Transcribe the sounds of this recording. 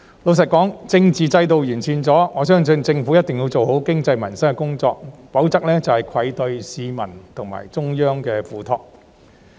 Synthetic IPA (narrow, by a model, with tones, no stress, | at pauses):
lo˨˧ws̬ɐ˨t̚kɔː˨˥ŋt͡sɪ˧ŋt͡siː˨t͡sɐ˧jt̪o˨wjyː˨˩nt͡sʰiː˨nt͡sɔː˨˥ŋɔː˨˧sœː˥ŋsɵ˧nt͡sɪ˧ŋfuː˨˥jɐ˥t̚t̪ɪ˨ŋji˧wt͡so˨who˨˥wkɪ˥ŋt͡sɐ˧jmɐ˨˩nsɐ˥ŋkɛ˧kʊ˥ŋt͡sɔː˧k̚po˨˥wt͡sɐ˥k̚lɛː˥t͡sɐ˨˩whɐ˨jkʰɐ˨˧jt̪ɵ˧ɥsiː˨˧mɐ˨˩nt̪ʰʊ˨˩ŋma̰ː˨˩jt͡sʊ˥ŋjœː˥ŋkɛː˧fuː˨˩t̪ʰɔː˧k̚